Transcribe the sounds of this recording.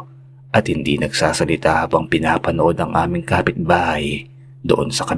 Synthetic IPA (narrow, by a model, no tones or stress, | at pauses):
ʔɐt̪hɪnd̪ḭnɐɡsaːsɐlɪt̪aːhabɐŋpɪnaːpɐnoʔo̞d̪ɐŋʔaːmɪŋkaːpɪt̪̚baːhɐj | d̪oʔonsɐkɐ